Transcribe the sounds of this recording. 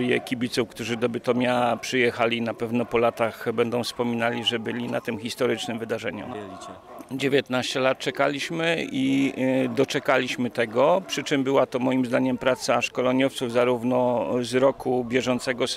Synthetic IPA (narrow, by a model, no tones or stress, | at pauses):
ɾjɛ̰kʲibʲit̪sufkt̪uʐɘd̪ɔbɘt̪ɔmʲjapʂɘjɛxalʲinapɛvnɔpɔlat̪axbɛnd̪ɔ̃w̃fspɔmʲinalʲiʐɛbɘlʲinat̪ɘmxʲist̪ɔɾɘt͡ʂnɘmvɘd̪aʐɛɲṵ | d͡ʑevʲjɛt̪naɕt͡ɕɛlat̪̚t͡ʂɛkalʲiɕmɘid̪ɔt͡ʂɛkalʲiɕmɘt̪ɛɡɔpʂɘt͡ʂɘmbɘwat̪ɔmɔjimzd̪aɲɛmpɾat̪saʂkɔlɔɲɔft̪sufzaɾuvnɔzɾɔkubʲjɛʐɔnt̪sɛɡɔ